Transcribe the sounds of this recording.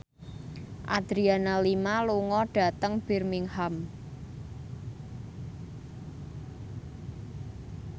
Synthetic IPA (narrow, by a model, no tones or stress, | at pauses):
ʔad̪̥ɾianalimaluŋɔɖ̥a̤t̪əŋb̥i̤rmiŋham